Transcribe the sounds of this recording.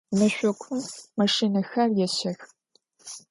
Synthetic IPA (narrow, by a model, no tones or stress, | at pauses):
nɐɕʷɔkʷʰʊmːɐʂiːnɐxɐrjɛɕɐx